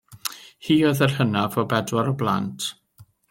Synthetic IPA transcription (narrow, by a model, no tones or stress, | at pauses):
hiːɔðərhənavɔbɛdwaɾɔblˠa̰ntʰ